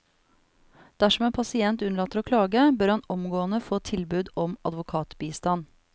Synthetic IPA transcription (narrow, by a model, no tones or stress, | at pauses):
d̪̥æʂɔmeːnpʰɑsɪɛnt̪ʉnəɭɑːt̪əɾoːkʰlɑːɡəbøɾhɑnɔmɡoːənəfoːt̪ʰɪlbʉːd̪ɔmɑ̰d̪ʋʊkʰɑːt̪biːst̪ɑn